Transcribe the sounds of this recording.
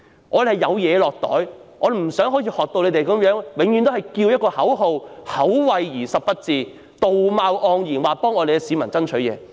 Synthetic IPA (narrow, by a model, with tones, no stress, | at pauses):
ŋʔɔː˨˧de˨hɐ˨˩jɐ˨˧wjɛː˨˧lɔː˨k̚t̪ɔ̰ː˨˥jŋɔː˨˧de˨˩m̩˨˩sœː˨˥ŋɦoː˨˥jʰiː˧hɔː˨k̚t̪o˧wle˨˧te˨jkɐ˨˥mjœː˨˥ŋwɪ˨˧˥ŋjyː˧nt̪hɐ˨jkiː˧wjɐ˥tkɔː˧hɐ˨˥wɦo˨˧whɐ˨˥wwɐ˨jjiː˨˩sɐ˨p̚pɐ˥t̚t͡siː˨˧ | t̪o˨wmaː˧wʔɔː˧ŋjiː˨˩nwaː˨pɔː˥ŋɔː˨˧d̪e˨kɛ˧siː˨˧˥mɐ˨˩nt͡sɐ˥nt͡ʃʰɵ˨˥ɥjɛ̰ː˨˧